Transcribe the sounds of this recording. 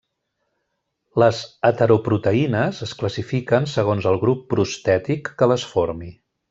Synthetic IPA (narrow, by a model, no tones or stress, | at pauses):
ləzət̪əɾupɾut̪əinəzəskləsifikənsəɣ̞onzəlˠɣɾupːɾust̪ɛt̪ikːələsfoɾmi